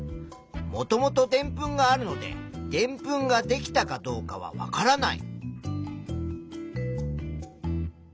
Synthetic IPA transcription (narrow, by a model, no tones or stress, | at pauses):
mo̞t̪o̞mo̞t̪o̞d̪ẽ̞mpɯ̟̃ŋɡaːɾɯ̟no̞d̪e̞̰d̪̥ẽ̞mpɯ̟̃ŋɡad̪e̞kʲi̥t̪akad̪o̞ːkaβ̞a̰βa̰kaɾanaḭ